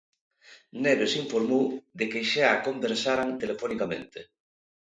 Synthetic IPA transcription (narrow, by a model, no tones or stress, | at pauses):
neɾosiɱfoɾmowðekeʃeakombeɾsaɾant̪elefonikamẽnt̪e